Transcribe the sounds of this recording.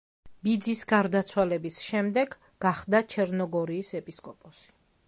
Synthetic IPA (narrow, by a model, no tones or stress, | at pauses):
bid̪zisɡaɾd̪at̪sʰwalɛbisʃɛmd̪ɛɡ | ɡaχd̪at͡ʃʰɛɾnɔɡɔɾiːsɛpʼiskʼɔpʼɔsi̥